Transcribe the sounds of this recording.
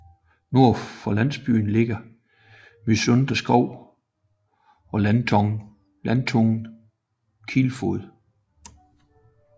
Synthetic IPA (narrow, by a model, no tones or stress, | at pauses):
no̝ɐ̰fɒlæn̰sb̥y̰ːn̩le̝ɡ̥ɐ | misɔnd̥ɐsɡ̥ɒʊ̰ | ɒ̽lænt͡sʰɒŋ | lænt͡sʰɔŋn̩ | kʰilfoðˠ